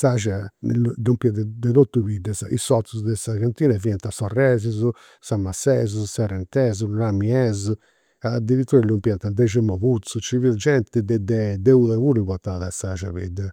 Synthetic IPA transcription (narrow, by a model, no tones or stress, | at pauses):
saʒaɛ̰ld̪umpiad̪ɛd̪ɛðot̪ːuβid̪ːɛsḭsɔt̪suzd̪ɛsaɣant̪iːnaviɛnt̪asɔrːɛːzizu | samːasːɛːzuzusarɛnt̪ɛːzunamiɛːzu | ad̪ːiɾit̪ːuːɾalumpjɛnt̪and̪ɛʒɛmɔβut̪sut͡ʃivild͡ʒɛnt̪id̪ɛd̪ɛd̪ɛuðɛβuɾiβɔt̪aðasaʒa̰βid̪